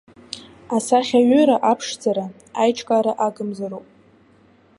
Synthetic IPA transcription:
asaχʲaɥʏɾaʔapʰʂd͡zaɾa | ajʈ͡ʂʰʼkʼaɾaʔaɡɨmzaɾopʼ

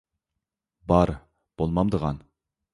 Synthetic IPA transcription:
bɑɾ | b̥olˠmɑmd̪əʁɑn

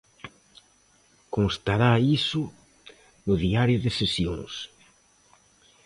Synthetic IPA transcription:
koŋst̪aɾaisʊ | nʊðiaɾjʊðɪsesjõ̰ŋs

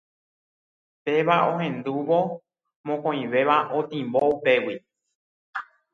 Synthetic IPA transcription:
pe̞ʋaõɦẽ̞nd̪uʋo̞ | mõkõĩʋe̞ʋaʔot̪ĩmboupe̞wi

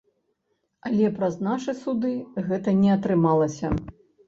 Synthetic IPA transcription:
ɐlʲɛpɾɐznaʂɨsud̪ɨɣɛt̪ɐnʲɛɐt̪ɾɨmalˠɐsʲɐ

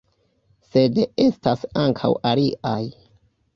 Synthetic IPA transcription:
se̞destasaŋkʰa̰waliʔaj

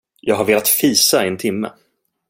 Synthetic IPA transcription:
jɑːɡɦaɾveːlat̪fiːsaɛnt̪ʰɪmːə̰

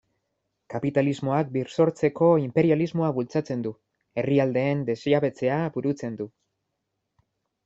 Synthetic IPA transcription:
kapit̪alizmo̞ak̚biɾso̞ɾt͡se̞ko̞impe̞ɾializmo̞aβult͡sat͡se̞nd̪u | e̞riald̪e̞ːnd̪e̞siaβe̞t͡se̞abuɾut͡se̞nd̪u

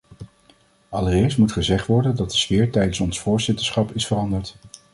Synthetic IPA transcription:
ɑlərɪːɹstmutχəzɛχtʋɔɹdəndɑt̚dəsfɪːɹtɛjdənsɔnsfʊːɹzɪtəɹsχɑpɪsfərɑndəɹt

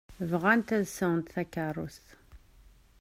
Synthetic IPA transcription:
vʁænt̪æðsəŋnt̪θækːarˤus

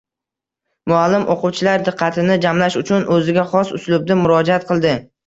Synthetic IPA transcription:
mʊalːɪmʔo̰qʊwt͡ʃʰɪlaɾd̪ɨqʰːɑt̪ʰɪnɪd͡ʒamlaʃʊt͡ʃʰʊnʔɵzɪɡʲaχɒsʊslʊb̚d̪ɪmʊɾɒd͡ʒaat̪̚qʰɨlˠd̪ɪ

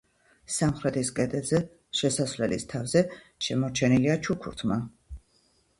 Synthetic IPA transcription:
samχɾɛt̪ʰiskʼɛd̪ɛzɛ | ʃɛsasvlɛlḭst̪ʰavzɛ | ʃɛmɔɾt͡ʃʰɛniliat͡ʃʰukʰṵɾt̪ʰma

